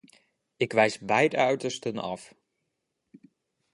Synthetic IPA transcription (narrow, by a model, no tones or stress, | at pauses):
ɪkʋɛjsbɛjtœɥtəɹstənɑ̰f